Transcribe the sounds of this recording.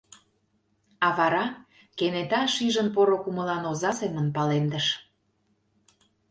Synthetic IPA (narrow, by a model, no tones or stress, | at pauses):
ɑβɑɾɑ | kenet̪ɑʃiʒənpoɾokuməlɑnozɑsemənpɑlend̪əʃ